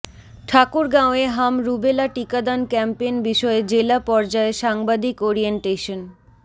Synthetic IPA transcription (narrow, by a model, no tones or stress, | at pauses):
ʈʰakuɾɡãoeɦamɾubelaʈikad̪ankɛmpenbiʃɔed͡ʑelapɔɾd͡ʑaeʃaŋbad̪ikoɾieɳʈeʃon